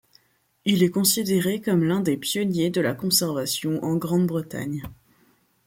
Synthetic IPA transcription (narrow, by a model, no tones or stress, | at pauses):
ilɛkɔ̃sid̪eʁekɔmlɛ̃d̪epjɔnjed̪əlakɔ̃sɛʁvasjɔ̃ʔɑ̃ɡʁɑ̃d̪bʁət̪a̰ɲ